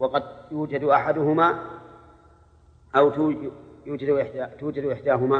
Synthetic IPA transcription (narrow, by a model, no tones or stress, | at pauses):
wɑqɑd̪̚juːd͡ʒad̪ʔaħad̪ʊhʊmaː | ʔawt̪ːjuːd͡ʒad̪ʔɪħd̪aːt̪uːd͡ʒad̪ʔɪħd̪aːɦʊmaː